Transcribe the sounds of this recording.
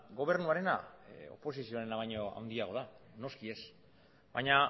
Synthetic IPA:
ɡo̞β̞e̞ɾnuaɾe̞nao̞̰po̞sisio̞aɾe̞naβajɲoa̰wnd̪iaɣo̞ðano̞skie̞s | bajɲa

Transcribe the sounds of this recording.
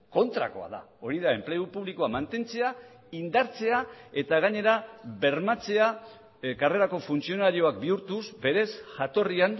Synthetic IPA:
ko̞nt̪ɾa̰ko̞̰a̰ða̰ | o̞ɾiðae̞mple̞upuβlikoamant̪e̞nt͡se̞a | ind̪aɾt͡se̞ae̞t̪aɣaɲe̞ɾabe̞ɾmat͡se̞a | kare̞ɾako̞funt͡sio̞naɾio̞ak̚biuɾt̪usbe̞ɾe̞sʝat̪o̞rian

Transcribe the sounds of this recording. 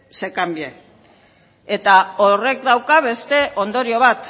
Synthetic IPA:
se̞kambie | et̪aore̞kd̪awkaβ̞e̞st̪e̞ʔo̞nd̪o̞ɾio̞β̞at̪

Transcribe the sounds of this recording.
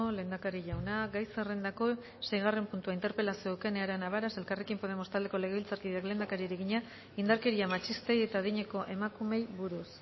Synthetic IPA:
ole̞ːnd̪akaɾiʝawnaɡajsere̞nd̪ako̞ | se̞jɣ̞are̞mpunt̪uaint̪e̞ɾpe̞lasiouke̞ne̞aɾenaβaɾase̞lkarekimpo̞ð̞e̞mo̞st̪ald̪e̞ko̞le̞ɣeβilt͡saɾkiðeakle̞nd̪akaɾieɾeɣiɲa | ind̪aɾke̞ɾiamat͡ʃist̪e̞je̞t̪aðiɲe̞ko̞ʔe̞makume̞jβuɾus

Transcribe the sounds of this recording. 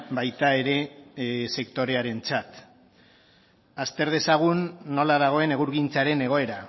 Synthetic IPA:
bajt̪ae̞ɾe̞se̞kt̪o̞ɾe̞aɾe̞nt͡sat̪ | ast̪e̞ɾð̞e̞saɣ̞unːo̞laðaɣ̞o̞e̞ne̞ɣ̞uɾɣint͡saɾe̞ne̞ɣ̞o̞e̞ɾa

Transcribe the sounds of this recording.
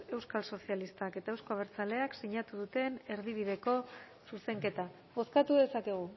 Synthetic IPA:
e̞wskalso̞sialist̪ake̞t̪aewsko̞aβ̞e̞ɾt͡sale̞aksiɲat̪uð̞ut̪e̞ne̞ɾð̞iβ̞iðe̞ko̞ | suse̞ŋke̞t̪a | βo̞skat̪uðe̞sake̞ɣ̞u

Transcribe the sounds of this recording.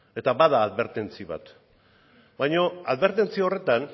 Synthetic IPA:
e̞t̪abaðaːðβe̞ɾt̪e̞nt͡siβa̰t̪ | bajɲo̞aðβe̞ɾt̪e̞nt͡sio̞re̞t̪an

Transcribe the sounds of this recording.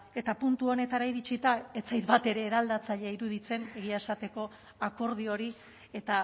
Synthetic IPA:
e̞t̪apunt̪uo̞ne̞t̪aɾaiɾit͡sit̪ae̞t͡sajt̪bat̪e̞ɾe̞ːɾald̪at͡saʎeaiɾuðit͡se̞ne̞ɣiaesat̪e̞ko̞ | ako̞ɾð̞io̞ɾi | e̞t̪a

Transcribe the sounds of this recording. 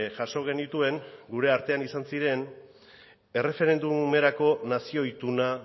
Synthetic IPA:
ʝaʃo̞ɣ̞e̞nit̪ue̞ŋɡuɾe̞aɾt̪e̞anisansiɾe̞n | e̞re̞fe̞ɾe̞nd̪ume̞ɾako̞nasio̞it̪una

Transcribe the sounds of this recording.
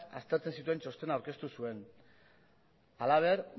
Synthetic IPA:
a̰st̪e̞ɾt͡se̞nsit̪̬ue̞nt͡ʃo̞st̪e̞nawɾke̞st̪usue̞n | alaβ̞e̞ɾ

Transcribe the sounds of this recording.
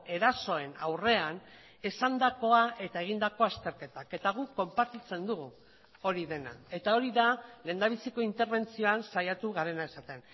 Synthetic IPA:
e̞ɾaso̞e̞nawre̞an | e̞sand̪ako̞aʔe̞t̪ae̞ɣ̞ind̪ako̞ast̪e̞ɾke̞t̪ake̞t̪aɣ̞uko̞mpaɾt̪it͡se̞nd̪uɣu | o̞ɾiðe̞na̰e̞t̪ao̞ɾiðale̞ːnd̪aβ̞isiko̞int̪e̞ɾβe̞nt͡sio̞ansajat̪uɣaɾe̞naesat̪e̞n

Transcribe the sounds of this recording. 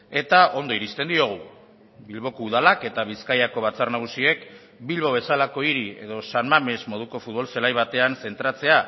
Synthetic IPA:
e̞t̪ao̞nd̪oiɾist̪e̞nd̪io̞ɣ̞u | bilβo̞kouð̞alake̞t̪aβ̞iskajako̞β̞at͡sarnaɣ̞usie̞k | bilβo̞β̞e̞salako̞iɾie̞̰ðo̞sanmame̞zmo̞ð̞uko̞fut̪̚βo̞lselajβat̪e̞anse̞nt̪ɾat͡se̞a

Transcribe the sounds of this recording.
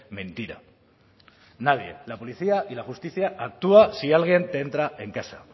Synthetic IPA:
mẽ̞nt̪iɾa̰ | nað̞je̞̰lapo̞liθiaʔilaxust̪iθjaat̪uasialɣ̞je̞nt̪ee̞nt̪ɾaʔe̞ŋkasa

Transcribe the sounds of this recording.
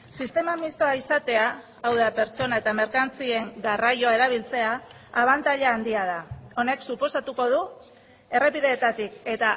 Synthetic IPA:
sist̪e̞mamist̪o̞aisat̪e̞aː | wðape̞ɾt͡ʃo̞nae̞t̪ame̞ɾkant͡sie̞ŋɡarajo̞aeɾaβ̞ilt͡se̞aː | β̞ant̪aʎaːnd̪iað̞ao̞ne̞ksupo̞sat̪uko̞ð̞u | e̞re̞piðe̞ːt̪at̪ike̞t̪a

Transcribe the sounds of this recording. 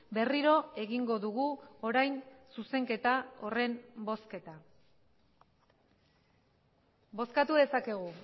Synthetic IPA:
be̞riɾo̞e̞ɣiŋɡo̞ðuɣuo̞ɾajnsuse̞ŋke̞t̪ao̞re̞mbo̞ske̞t̪a | bo̞skat̪uðe̞sake̞ɣ̞u

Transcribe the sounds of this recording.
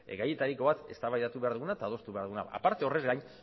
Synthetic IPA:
eɣajet̪aɾiko̞βat̪e̞st̪aβajðat̪uβe̞aɾðuɣunaet̪aðo̞st̪uβaɾðuna̰a̰paɾt̪e̞o̞re̞zɣajɲ

